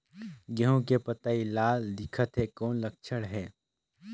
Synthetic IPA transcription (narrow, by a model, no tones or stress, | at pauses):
ɡɛɦõkepɐt̪ailaːld̪ɪkʰət̪ɦɛkɔːnlɐk̚t͡ʃʰəɽɦɛː